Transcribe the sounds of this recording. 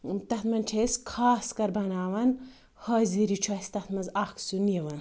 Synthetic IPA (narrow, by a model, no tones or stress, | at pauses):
t̪ɐt̪mɐnt͡ʃʰeskʰaːskɐɾbɐnaːʋɐn | hɐːziɾit͡ʃʰɐsʲt̪ɐt̪ʰmɐnzaksunjɐʋɐn